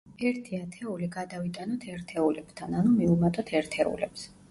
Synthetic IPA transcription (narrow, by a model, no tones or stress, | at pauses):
ɛɾt̪ʰiat̪ʰɛuliɡad̪avit̪ʼanɔt̪ʰɛɾt̪ʰɛulɛbt̪ʰananumiumat̪ʼɔt̪ʰɛɾt̪ʰɛṵlɛ̰ps